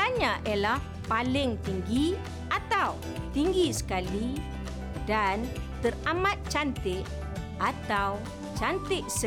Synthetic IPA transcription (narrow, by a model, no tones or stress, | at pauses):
aɲãʔalah | palɪŋt̪iŋɡi | ʔat̪aw | t̪iŋɡisə̥kali | dant̪əramat̪̚t͡ʃant̪ɪʔ | ʔat̪aw | t͡ʃant̪ɪʔsə